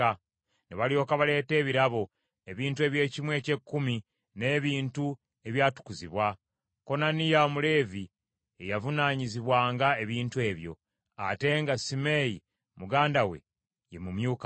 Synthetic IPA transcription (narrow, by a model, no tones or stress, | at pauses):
a | neβalio̞ːkaβale̞ːte̞ːβiɾaβo̞ | e̞βiːntue̞ːβje̞ːcimwe̞ːce̞kːumi | ne̞ːβiːntu | e̞βjaːtu̥kuziβwa | ko̞nanijamule̞ːvi | e̞javunaːɲiziβwaːŋɡae̞βiːntue̞ːβjo̞̰ | a̰te̞ŋɡasime̞ji | muɡaːndawe̞̰ | je̞mumjuːka